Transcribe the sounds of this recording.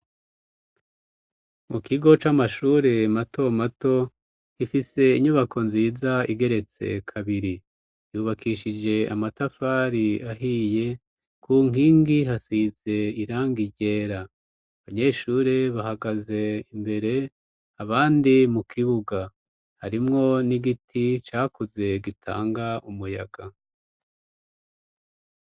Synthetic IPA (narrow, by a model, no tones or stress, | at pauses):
mukiɡo̞t͡ʃamaʃuːɾe̞matʰo̞mato̞ | kifise̞iɲuβakʰo̞nziːzaiɡe̞ɾe̞t͡se̞̰kʰaβiɾi | juːβakiʃid͡ʒe̞a̰matafaɾiaɦije̞ | kuŋiːŋɡiɦasize̞iɾaːŋɡiɟe̞ːɾaː | βaɲe̞ːʃuːɾe̞βahaɡaze̞imbe̞ɾe̞ | aβaːndimukʰiβuɡa | haɾimŋo̞niɡitʰit͡ʃaːkuze̞ɡitʰa̰ːŋɡaumuja̰ɡ̥a